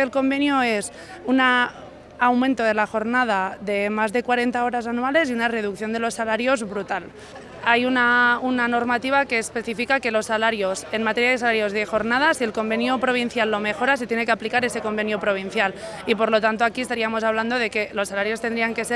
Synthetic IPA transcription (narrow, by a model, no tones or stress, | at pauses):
elko̞mbe̞njoe̞s | unaː | wmẽnt̪o̞ð̞e̞laxo̞ɾnað̞aðe̞mazðe̞kwaɾe̞nt̪ao̞ɾas̬anuale̞siunare̞ð̞ukθjond̪e̞lo̞sːalaɾjo̞zβɾut̪al | ajunaunano̞ɾmat̪iβ̞ake̞ːspe̞θifikake̞lo̞sːalaɾjose̞nmat̪e̞ɾjaðesalaɾjo̞zðe̞xo̞ɾnað̞asielko̞mbe̞njopɾo̞β̞in̟θjalːo̞me̞xo̞ɾas̬et̪jene̞keaplikaɾe̞se̞ko̞mbe̞njopɾo̞β̞in̟θjal | ipo̞ɾlo̞t̪ant̪o̞akiest̪aɾiamo̞saβland̪o̞ðe̞ke̞lo̞salaɾjo̞st̪e̞nd̪ɾiaŋke̞se